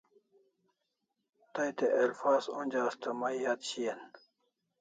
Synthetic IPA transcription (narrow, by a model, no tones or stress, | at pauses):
t̪ɐjt̪eʔɐlfaːzõnʲd͡ʑaːst̪ɐmɐjjat̪ɕijɐn